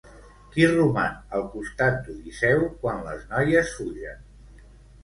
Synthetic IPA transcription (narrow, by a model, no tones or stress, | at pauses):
kirumanəlˠkust̪at̪̚d̪uðisɛwkwanlə̰znɔjəsfuʒən